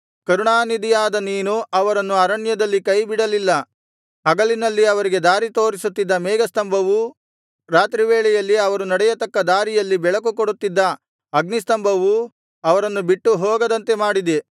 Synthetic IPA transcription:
kɐɾuɳaːnid̪ijaːd̪ɐniːnuɐʋɐɾɐnːuɐɾɐɳjɐd̪ɐlːikɐjbiɽɐlilːɐ | ɦɐɡɐɭinɐlːiɐʋɐɾiɡe̞d̪aːɾit̪o̞ːɾisut̪ːid̪ːɐmɛːɡɐst̪ɐmbʱɐʋu | ɾaːt̪ɾiʋeːɭɛjɐlːiɐʋɐɾunɐɽɛjɐt̪ɐkːɐd̪aːɾijɐlːibɛɭɐkukoɽut̪ːid̪ːɐ | ɐɡnist̪ɐmbʱɐʋu | ɐʋɐɾɐnːubiʈːuɦɔːɡɐd̪ɐnt̪e̞maːɽid̪e

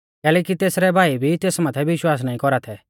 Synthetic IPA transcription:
kɛːlɛːkit̪eːsɾɛbʱaːibʱit̪eːsmaːt̪ʰɛʋɪʃwaːsnaːĩkɔɾat̪ʰɛː

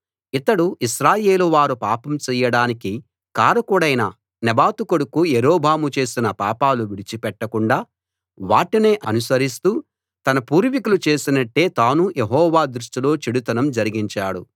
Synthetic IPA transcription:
it̪ɐɽuʔiʃɾaːje̞ːluʋaːɾupaːpɐmt͡ʃɛjɐɽaːniki | kaːɾɐkuɽɐjnɐ̰ | nɛbaːt̪ukoɽukujeɾoːbʱaːmut͡ʃe̞ːsinɐpa̰ːpaːluʋiɽit͡ʃipɛʈːɐkuɳɖaː | ʋaːʈine̞ːʔɐnusɐɾist̪uː | t̪ɐnɐpuːɾʋikulut͡ʃe̞ːsinɐʈːe̞ːt̪aːnujʔeɦɔːʋaːd̪ɾuʂʈilo̞ːt͡ʃiɽut̪ɐnɐmd͡ʒɐɾiɡiɲt͡ʃaːɽṵ

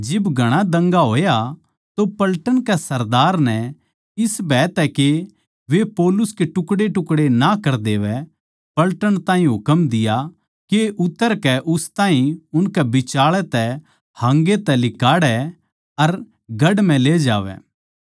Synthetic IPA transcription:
d͡ʒɪbɡʱɐɽ̃ad̪ɐ̃ŋɡaɦoːja | t̪opɐlʈəɽ̃kɛsɐɾd̪aːɾnɛ | ɪsbɛːt̪ɛke | ʋepɔːlʊskeʈʊkɽeʈʊkɽenakɐɾd̪eːʋɛ | pɐlʈəɽ̃t̪ãːɦĩɦʊkəmd̪ɪja | keʔʊt̪ːəɾkɛʔʊst̪ãːɦĩʊnkɛbɪt͡ʃaːɭɛt̪ɛ | hãŋɡet̪ɛlɪkaːɽɛ | ɐɾ | ɡɐɽm̤ɛ̃leːd͡ʒa̰ːʋɛ̰ː

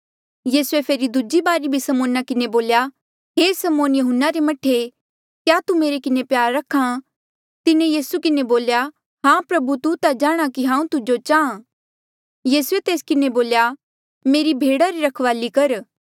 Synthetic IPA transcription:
jiːsuepʰeːɾid̪ʊd͡ʒibaːɾibʱisɐmoːnakɪneboːlja | ɦeːsɐmoːnjɐɦʊnːaɾemɐʈʰːe | kjaːt̪umeːɾekɪnepjaːɾːɐkʰã | t̪ɪnejiːsukɪneboːlja | ɦãːpɾɐbut̪ut̪ad͡ʒaːɽ̃akiɦãːũt̪ʊd͡ʒot͡ʃaːã | jiːsʊet̪eːskɪneboːlja | meːɾibʱeːɽaɾiɾɐkʰʋaːlikɐɾ

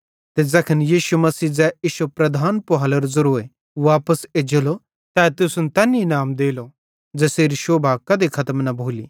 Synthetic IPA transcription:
t̪ed͡zɐkʰənjiːʃumɐsiːd͡zɛiːʃopɾɐd̪ʱaːnpoɦaːlɐɾzɐɾoːe | ʋaːpəsed͡ʒelo | t̪ɛ̃ːt̪ʊsʊnt̪ɛːninaːmd̪eːlo | d͡zɛːseːɾiʃoːbʱaːkɐd̪ekʰɐt̪əmnɐbʱoːlḭː

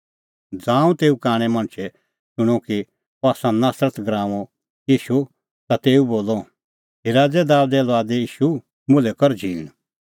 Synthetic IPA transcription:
d͡zãːũt̪eːukaːɽ̃ɛ̃mɐ̃ñt͡ʃʰɛ | sʊɽ̃ɔ̃ki | aːsãnaːsɾət̪ɡɾãːʋɔ | jiːʃu | t̪at̪eːuboːlɔ | ɦiɾaːd͡zɛd̪aːwd̪ɛlʋaːd̪ɛjiːʃu | mʊlɛkɔɾd͡ʒʱiːɽ̃

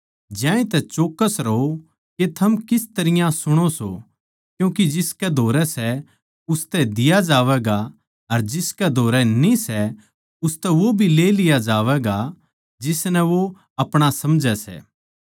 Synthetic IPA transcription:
d͡ʒjãːĩt̪ɛt͡ʃoːkːəsɾɐɦo | ket̪ʰɐmkɪst̪ɐɾɪjãsʊɽ̃oso̰ | kjũːkid͡ʒɪskɛd̪ʱoːɾɛsɛ | ʊst̪ɛd̪ɪjad͡ʒaːʋɛːɡa | ɐɾd͡ʒɪskɛd̪ʱoːɾɛnĩsɛ | ʊst̪ɛʋobʱileːlɪjad͡ʒaːʋɛɡa | d͡ʒɪsnɛʋo | ɐpɽ̃asɐmd͡ʒɛsɛ̰ː

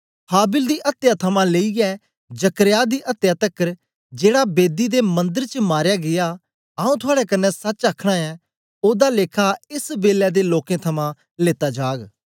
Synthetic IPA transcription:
pʰaːbɪld̪iːʔɐt̪jaːt̪ʰəmãːleːiɡɛː | d͡ʒəkəɾjaːd̪iːʔɐt̪jaːt̪əkːəɾ | d͡ʒeːɽabeːd̪id̪emɐ̃nd̪əɾt͡ʃəmaːɾjaːɡɪjaː | aːũːt̪ʰʊaːɽɛkənːɛsɐt͡ʃaːkʰɽ̃aɛː | oːd̪aːleːkʰaɪsbeːlɛd̪eːloːkẽt̪ʰɐmãː | leːt̪aːd͡ʒaːɡ

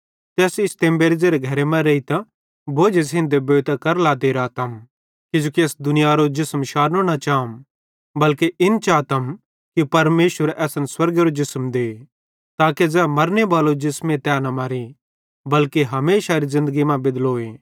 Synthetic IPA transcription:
t̪ɛːsɪst̪ẽːmbeːɾɪzeɾeɡʱɐɾemɛ̃ɾeit̪a | bʱoːd͡ʒesɦɪ̃nd̪eboːt̪ɐkɐɾlaːt̪eɾaːt̪ɐm | kɪd͡ʒoːkieːsd̪ʊnɪjaɾod͡ʒɪsmʃaːɾnõnɐt͡ʃaːm | bɐlkeʔɪnt͡ʃaːt̪ɐm | kipɐɾmeːʃʋəɾɛːsənswɐɾɡeɾod͡ʒɪsmd̪eː | t̪aːkezɛmɐɾnebaːlod͡ʒɪsmẽt̪ɛːnɐmɐɾi | bɐlkeɦɐmeːʃaɾizɪ̃nd̪əɡimãbɪd̪loːeː

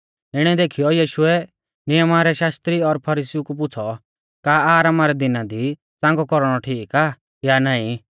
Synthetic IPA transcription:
ɪɽ̃ɛd̪eːkʰɪjɔjiːʃʊɛ | nɪjəmaɾɛʃaːst̪ɾiɔɾpʰɐɾiːsiukup̬ʊt͡sʰɔ | kaaːɾaːmaɾɛd̪ɪnad̪i | t͡sãːŋɡɔkɔɾɽ̃ɔʈʰiːkaː | janaːĩ

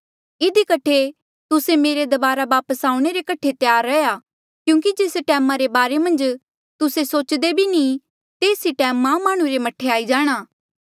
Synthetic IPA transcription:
ɪd̪ikɐʈʰe | t̪ʊsemeːɾed̪ɐbaːɾaʋaːpəsaːũɽ̃eɾekɐʈʰet̪jaːɾːɐja | kjũːk̬id͡ʒeːsʈɛːmaɾebaːɾemɐ̃nd͡ʒ | t̪ʊsesoːt͡ʃd̪ebʱinĩ | t̪eːsiʈɛːmːamaːɽ̃ũɾemɐʈʰːeaːid͡ʒaːɽ̃aː

